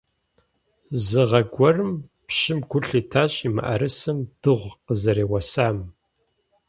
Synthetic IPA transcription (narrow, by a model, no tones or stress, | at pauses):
zɨʁɐɡʷɔrɨm | pɕɪmɡʷʊɬiːtʰaːɕʼiːmɨ̰ʔɐ̰ɾɨsɨmd̥ɨʁʷqəzɐɾeːwɐsaːm